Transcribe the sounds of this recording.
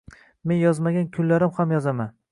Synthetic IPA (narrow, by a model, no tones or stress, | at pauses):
me̞njɒzmaɡʲankʲʰʊnlaɾɪmhamjɒzaman